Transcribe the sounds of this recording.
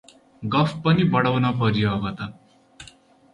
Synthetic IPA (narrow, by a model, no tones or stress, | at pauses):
ɡəfpənibəɽəʋnapəɾjːɡat̪a